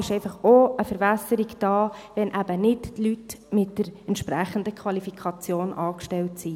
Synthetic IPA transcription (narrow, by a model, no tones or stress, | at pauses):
ɪʃɛɪfɑχoəfəɾvɛsəɾikd̥ɑːʋɛnʔæb̥ənɪttlyt | mɪtd̥əɾɛntʃpɾæχəndəkʰʋɑlifikʰɑt͡sjoːnʔɑːkʃtɛltsi